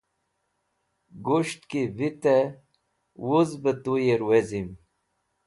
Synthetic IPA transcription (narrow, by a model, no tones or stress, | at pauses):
ɡuʂt̪kivit̪e | wuzbət̪ujeɾwezim